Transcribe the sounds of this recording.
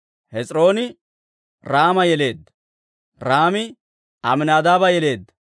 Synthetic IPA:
hɛt͡sʼɾo̞ːnɪ | ɾaːmɐjɛle̞ːd̪ːɐ̥ | ɾaːmɪ | ɐmɪnaːd̪aːbɐjɛle̞ːd̪ːɐ

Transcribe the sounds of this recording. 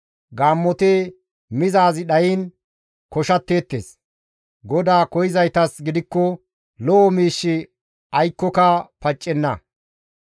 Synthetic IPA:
ɡaːmːɔt̪eː | mɪzaːzɪɗɐjɪn | kɔʃɐt̪ːeːt̪ːḛs | ɡɔd̪aːkɔjɪzɐjt̪ɐsɡɪd̪ɪkːɔ | lɔʔɔmiːʃːɪ | ɐjkːɔkɐpɐt͡ʃʼːɛnːɐ

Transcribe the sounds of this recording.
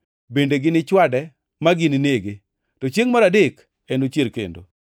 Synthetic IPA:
bendeɡɪnɪt͡ʃwadɛ | maɡɪnɪneɡe | tɔt͡ʃjeŋmaɾadɪk | enot͡ʃeɾkḛndo̰

